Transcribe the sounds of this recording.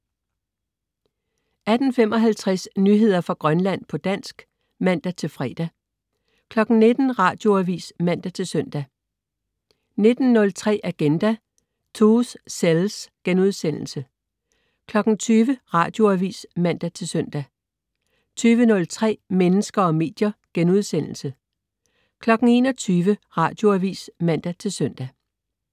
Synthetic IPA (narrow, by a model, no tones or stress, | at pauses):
ʔæd̥n̩fem̰ɒ̽ɦælt͡sʰʁɛsnyːɦe̝ð̞̰ˠɐfʁɑ̈ɡ̥ʁɶnlæn̰pʰɒ̽d̥æn̰sɡ̥ | mæn̰d̥æt͡sʰe̝lfʁɛ̰ːd̥æ | kʰlɒ̽ɡ̥n̩ne̝d̥n̩ʁɑ̈ːd̥jo̝æʋḭːsmæn̰d̥æt͡sʰe̝lsœn̰d̥æ | ne̝d̥n̩nɔ̽lt͡sʰʁɛ̰ːʔæɡ̥end̥æ | t͡sʰoːsːelsɡ̥enuð̞ˠsen̰l̩sə | kʰlɒ̽ɡ̥n̩t͡sʰyːʋəʁɑ̈ːd̥jo̝æʋḭːsmæn̰d̥æt͡sʰe̝lsœn̰d̥æ | t͡sʰyːʋənɔ̽lt͡sʰʁɛ̰ːmenəsɡ̥ɐɒ̽me̝̰ːd̥jɐɡ̥enuð̞ˠsen̰l̩sə | kʰlɒ̽ɡ̥n̩e̝ːnɒ̽t͡sʰyːʋəʁɑ̈ːd̥jo̝æʋḭːsmæn̰d̥æt͡sʰe̝lsœn̰d̥æ